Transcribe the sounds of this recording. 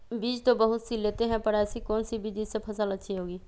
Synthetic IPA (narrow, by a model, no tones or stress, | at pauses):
biːd͡ʒt̪obəɦʊt̪sileːt̪eɦɛ̃pəɾasikɔːnsibid̪id͡ʒsepʰəsələtːʃʰiɦoːɡiː